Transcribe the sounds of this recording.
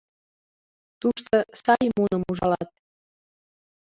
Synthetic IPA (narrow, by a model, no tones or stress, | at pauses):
t̪uʃt̪əsɑjmunəmuʒɑlɑt̪̚